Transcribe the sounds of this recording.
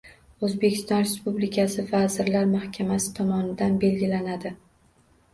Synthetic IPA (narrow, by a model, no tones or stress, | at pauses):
ɵzbe̞kʲʰɪ̥st̪ɒnɾe̞spublɪkʲʰasɪvazɪɾlaɾmahkʲʰamasɪ̥t̪ʰɒmɒnɪd̪anbe̞lɡʲɪlanad̪ɪ